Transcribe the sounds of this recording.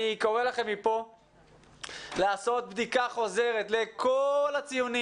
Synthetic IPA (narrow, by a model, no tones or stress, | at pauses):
ikoʁelaχe̞mipo̞ | laːso̞t̪̚bd̪ikaχo̞ze̞ʁe̞t̪le̞kolat͡sijuni